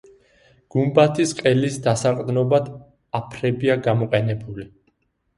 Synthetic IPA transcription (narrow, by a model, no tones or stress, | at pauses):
ɡ̥umbat̪ʰisqʼɛlisd̪asaqʼd̪nɔbad̪ | apʰɾɛbiaɡamɔqʼɛnɛbuli